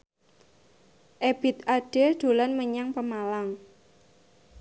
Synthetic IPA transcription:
ʔeb̥ɪ̤t̪̚aɖ̥ed̪̥o̤lanməɲaŋpəmalaŋ

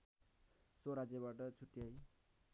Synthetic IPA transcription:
soɾad͡zjabaʈʌt͡sʰuʈjʌj

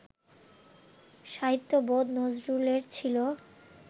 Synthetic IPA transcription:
ʃaɦit̪ːobod̪nod͡ʑɾuleɾt͡ɕʰilo

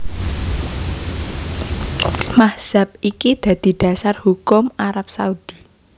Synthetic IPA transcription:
mahz̥a̤p̚ikid̪̥ä̤d̪̥i̤ɖ̪̥ä̤sarhukʊmaɾap̚saud̪̥i

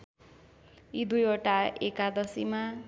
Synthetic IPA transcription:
id̪ujoʈaekad̪ʌsima

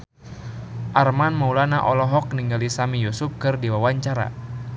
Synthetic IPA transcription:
ʔarmanmaulanaʔɔlɔɦɔk̚niŋɡalisamijusuf̚kɨrdiwawaɲt͡ʃaɾa̰

